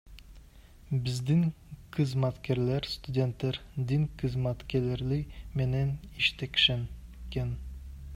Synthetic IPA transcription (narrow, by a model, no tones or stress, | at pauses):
bɪzd̪ɪŋ | qʰɨzmat̪kʲæɾlæɾst̪ud̪ʲe̞nt̪ːæɾd̪ɪŋqʰɨzmat̪kʲælæɾlɪmenæniʃt̪ʰækʲʃænkʲen